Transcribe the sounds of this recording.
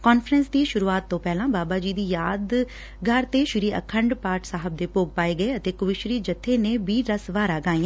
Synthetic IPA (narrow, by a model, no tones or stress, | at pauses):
kɔːnfʰɾənsd̪iːʃʊɾuːaːt̪ːõːpɛːlãːbaːbaːd͡ʒiːd̪iːjaːd̪ | ɡʱəɾt̪eːʃʊɾiːə̰kʰəɳɖpaːɾʈsaːɦəb̚d̪eːpoːɡ̚paːeːɡəeːət̪eːkʊʋɪʃɾiːd͡ʒət̪ʰːeːneːbiːɾəsʋaːɾaːɡãːĩː